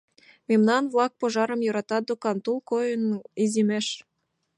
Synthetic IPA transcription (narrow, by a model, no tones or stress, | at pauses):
memnɑnvlˠɑk̚poʒɑɾə̆mjoɾɑt̪ɑd̪ukɑnt̪ulˠkojə̆nizimeʃ